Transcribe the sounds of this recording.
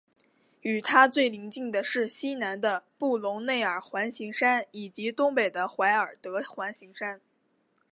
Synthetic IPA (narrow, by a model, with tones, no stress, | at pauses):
y˨˩t̪ʰa˥t͡swe˥˩ɪli˧˥ŋt͡ɕi˥˩ŋd̪ə˩ʂɻ̩˥˩ɕi˥na˧˥nd̪ə˧pu˥˩lʊ˧˥ŋne˥˩ɪə˞˨˩xwa˧˥nɕi˧˥ŋʂa˥ni˨˩t͡ɕi˧˥t̪ʊ˥ŋpe˨˩ɪd̪ə˦xwa˧˥ɪə˞˨˩t̪ɤ˧˥xwa˧˥nɕi˧˥ŋʂa˥n